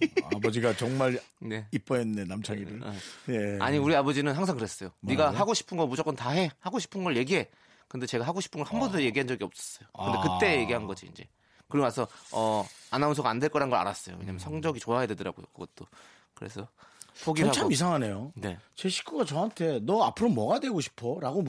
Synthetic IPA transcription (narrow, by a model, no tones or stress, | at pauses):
abʌd͡ʑiɡat͡ɕʌŋmaɾne̞ip͈ʌennenamt͡ɕʰaŋiɯɭea̰ɲiuɾiabʌd͡ʑinɯnɦaŋsʰaŋkɯɾes͈ʌjoniɡaɦaɡoɕʰi̥pʰɯnɡʌmud͡ʑok͈ʌntaɦe̞haɡoɕʰi̥pʰɯnɡʌɭje̞ɡiɦe̞ | kɯnde̞t͡ɕe̞ɡaɦaɡoɕʰi̥pʰɯnɡʌɭhanbʌndojeɡiɦand͡ʑʌɡiʌp̚s͈ʌ̥s͈ʌjokɯnde̞kɯt͈e̞je̞ɡiɦannɡʌd͡ʑiind͡ʑe̞̰ | kɯɾiɡomasʰʌʌanans̬ʰʌɡandwe̞ɭk͈ʌɾanɡʌa̰ɾas͈ʌjo̰we̞ɲamjʌnsʰʌŋd͡ʑʌɡit͡ɕoɦajadwe̞dɯɾa̰ɡojo̰kɯɡ̥ʌt͈o | kɯɾe̞̰sʰʌpʰoɡihaamis̬ʰaŋɦanejone̞t͡ɕe̞ɕʰi̥k͈ʰuɡat͡ɕʌɦantʰe̞nʌapʰɯɾomʌɡadwe̞ɡoɕʰi̥pʰoɾaɡo